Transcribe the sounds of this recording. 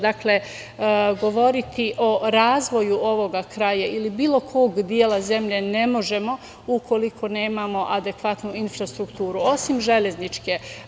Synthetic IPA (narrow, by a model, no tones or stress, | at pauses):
d̪akle̞ | ɡo̞ʋo̞ɾit̪iʔo̞ɾaːzʋo̞juʔo̞ʋo̞ɡakɾaːjailibiːlˠo̞kʰo̞ːɡd̪jeːlaze̞mʎe̞ne̞mo̞ʒe̞mo̞ | ukʰo̞likʰo̞ne̞ːmamo̞ʔad̪e̞kʋat̪nuinfɾast̪ɾukt̪uːɾuo̞simʒe̞ʎe̞znit͡ʃke